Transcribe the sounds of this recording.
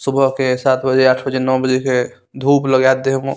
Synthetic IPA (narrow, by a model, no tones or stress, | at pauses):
subʱəɦkesat̪ʰbəd͡ʒeaːʈʰbəd͡ʒenɔbəd͡ʒeke | d̪ʱupləɡat̪ːeɦm